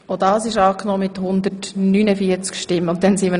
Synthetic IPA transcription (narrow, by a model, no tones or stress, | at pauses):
odɑːsɪʃɑːknoːmɪthʊnd̪ətnynəfiət͡skʃtɪmʊnt̚d̥ɛnsiːmə